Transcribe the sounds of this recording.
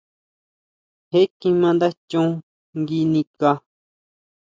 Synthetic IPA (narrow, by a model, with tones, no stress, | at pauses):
he˦kĩ˧mã˧nd̪a˦t͡ʃũ˦˧˦ | ŋɡi˧nĩ˧ka˧